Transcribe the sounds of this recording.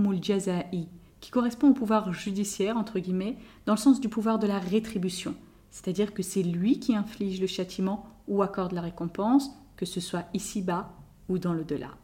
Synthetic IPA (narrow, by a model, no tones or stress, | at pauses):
mulʒazai | kʲi̥kɔʁɛspɔ̃opuvwaʁʒyd̪isjɛʁɑ̃t̪χəɡʲimɛd̪ɑ̃ləsɑ̃sd̪ypuvwaʁd̪əlaʁet̪χibysjɔ̰̃ | sɛ̥t̪ad̪iʁkəsɛlɥikʲiɛ̃fliʒləʃat̪ʰimɑ̃uakɔʁd̪laʁekɔ̃pɑ̃s | kəsəswaisiba | ud̪ɑ̃lod̪əlʔa̰